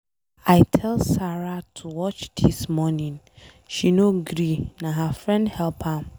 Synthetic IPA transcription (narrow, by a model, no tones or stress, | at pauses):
aɪtʰɛlsaɹatʰuwɔt͡ʃd̥ismɔnĩn | ʃinoɡɾinãɦafɹɛ̃ndhɛlpʰam